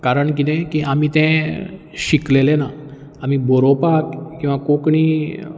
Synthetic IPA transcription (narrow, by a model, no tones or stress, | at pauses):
kaɾəɳk̬it̪ɛ̃kiʔamit̪ɛ̃ | ɕiklelena | am̤ibʱoɾopakkːĩw̃ʋakokɳ̃iː